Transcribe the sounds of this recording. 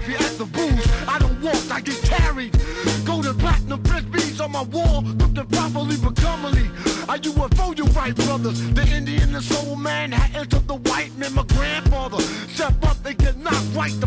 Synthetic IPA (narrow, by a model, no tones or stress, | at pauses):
piɨt̪̚ðəbu̥aɪɾõʊ̃n̚wɔk̚taɪɡɛt̚kʰæɹid̚ɡ̥oʊɾə̃pʰl̥ætnə̃bɹɪsbisən̩maɪwɔllʊk̚tɨ̃pʰɑpəlibəkʰʌməliəjɨwəfoʊjə˞bɹaɪt̚b̥ɹʌðə˞zðiɪ̃ndiɨ̃nðəsoʊəmæ̃nɨɛ̃ntə˞d̪̚ðəwaɪt̚mɛ̃nmaɪɡɹæ̃nd̥fɑðə˞sɛd̚bʌt̪̚ðeɪkʰɨdⁿnət̚ɹaɪt̪̚ðə